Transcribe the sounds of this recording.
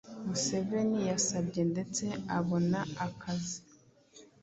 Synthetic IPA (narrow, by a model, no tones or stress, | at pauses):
muse̞ve̞nijasabɟe̞nde̞t͡se̞aβo̞naakʰazi